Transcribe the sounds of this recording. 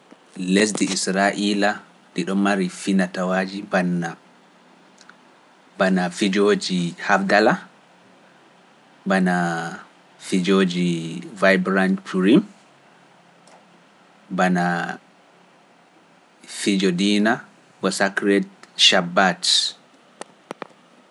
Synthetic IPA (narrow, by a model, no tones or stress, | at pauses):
les̬diːsɾaʔila | diɗɔmːaɾifinatawad͡ʒibanːa | banafid͡ʒoːd͡ʒihabdala | bana | fid͡ʒod͡ʒivajbɾantpʰuɾim | bana | fid͡ʒɔdiːna | kɔsakɾɛt̚ʃabːat